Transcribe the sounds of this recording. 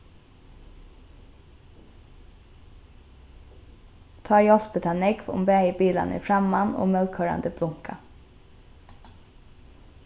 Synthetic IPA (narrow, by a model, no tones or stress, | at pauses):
t̪ʰɑːjɔspət̪ʰɑnɛɡʋʊ̰mbæːəbiːlɑ̰nḭːfɾɑmɑno̰ːmœlkʰøːɹɑ̰nd̪əblʊŋkʰa